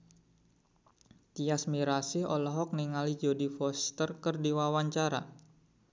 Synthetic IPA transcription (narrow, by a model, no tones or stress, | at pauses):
t̪iasmiɾasɪɦɔ̰lɔɦɔk̚niŋalid͡ʒodifɔst̪ərkərdiwawaɲt͡ʃaɾa̰